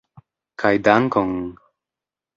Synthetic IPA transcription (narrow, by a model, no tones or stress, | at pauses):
kʰajd̪aŋkoŋ